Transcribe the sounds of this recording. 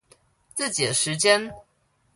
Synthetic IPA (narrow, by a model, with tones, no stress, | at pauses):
t͡s̩˥˩t͡ɕi˨˩ə˦ʂɻ̩˧˥t͡ɕjɛ˥n